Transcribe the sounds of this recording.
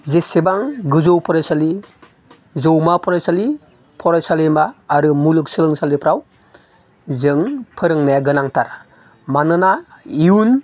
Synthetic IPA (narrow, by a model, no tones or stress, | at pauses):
zesebaŋɡɯzowpʰɯɾajsali | zɯwmapʰɔɾajsali | pʰɔɾajsalimaːɾɯmulɯk̚sɯlɯŋsalipʰɾaw | zɯŋpʰɯɾɯŋnajaɡɯnaŋtʰaɾ | manɯnaiun